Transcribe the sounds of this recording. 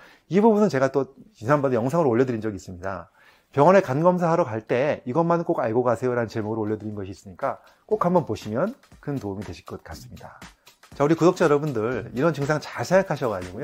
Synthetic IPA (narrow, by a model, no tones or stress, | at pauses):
ibubunɯnt͡ɕe̞ɡat͈o | isʰanbʌdjʌŋsʰaŋɯɾooʎːʌdɯɾind͡ʑʌɡiːs͈ɯmɲida̰ | pjʌŋʌne̞kanɡʌms̬ʰaɦaɾokaɭt͈e̞iɡʌmank͈oɡaɭɡoɡasʰe̞joɾanɯnt͡ɕemuɡɯɾooʎːʌdɯɾinɡʌɕʰiːs͈ɯɲik͈a | k͈okhambʌnpoɕʰimjʌnkɯntoumidwe̞ɕʰi̥k͈ʌt̚k͈as͈ɯmɲidat͡ɕauɾikudok̚t͡ɕ͈ejʌɾʌbundɯɭiɾʌnt͡ɕɯŋs̬ʰaŋt͡ɕasʰeŋakʰaɕʰʌɡad͡ʑiɡojo